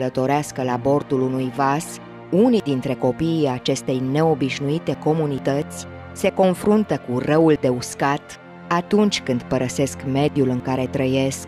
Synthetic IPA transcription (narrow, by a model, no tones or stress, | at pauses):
lət̪o̞ɾeaskəlabo̞rt̪ulunujvas | unid̪int̪ɾe̞ko̞piːat͡ʃe̞st̪e̞jne̞o̞biʃnuit̪e̞ko̞munit̪ət̪sʲ | se̞ko̞nfɾunt̪əkurəuld̪e̞uskat̪ | at̪unt͡ʃʲkɨnd̪pəɾəse̞skme̞d̪julɨŋkaɾe̞t̪ɾəje̞sk